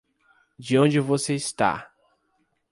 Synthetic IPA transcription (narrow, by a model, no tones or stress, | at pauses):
d͡ʒɪõd͡ʒɪvoseist̪a̰